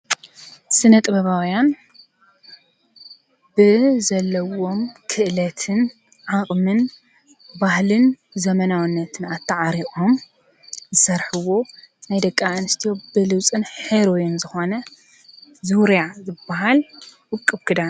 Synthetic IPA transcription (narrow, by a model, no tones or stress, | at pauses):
sɨnɐt̪ʼɨbɐβawjan | bɨzɐlːɐwo̞mkʰɨʔlɐt̪ʰɨn | ʕakʼmɨn | bahlɨn | zɐmɐnawɨnːɐt̪ʰɨnat̪ʰːaʕaɾiʔʼom | zɨsɐɾħɨwo̞najd̪ɐkʼːaʔɨnɨst̪ʰijobɨlɨwt͡sʼɨnħeɾojinzɨxo̞nɐ | zɨwɾjazɨbːaɦalwɨkʼːɨbkʰɨd̪an